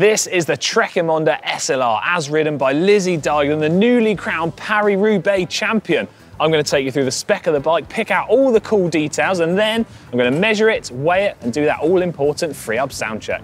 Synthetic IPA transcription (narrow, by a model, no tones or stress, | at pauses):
ðɪsɪzðətʰɹ̥ɛkəmɒ̃ndəʔɛsɛlɑ̰ːɹʔəzɹɪʔn̩baɪlɪzidɑːɡə̃nðənjʉːlikʰɹ̥ãʊ̃npʰaɹiɹʉːbeɪt͡ʃʰãmpiə̃n | ãɪ̃mɡʌnətʰeɪkjəθɹʉːðəspɛkəvðəbaɪk̚pʰɪkaʊtɔːlˠðəkʰuːlˠdiˑtʰeɪlˠzə̃nðə̃naãɪ̃mɡʌnəmɛʒəɹɪtweɪɪtə̃ndəðə̰ʔɔːlɪ̃mpʰɔˑʔn̩tfɹiːʌpsã̰ʊ̃nt͡ʃʰɛ̰k̚